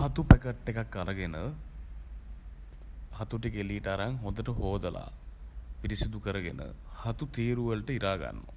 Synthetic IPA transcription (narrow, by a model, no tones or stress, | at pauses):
hat̪upekəʈːekakːaɾəɡenə | hat̪uʈ̬ikeliːʈaɾaŋɦond̪əʈəɦoːd̪əla̰ːpiɾisid̪ukəɾəɡḛnə̰hat̪ut̪iːɾuʋəlʈəiɾaːɡa̰nːo̰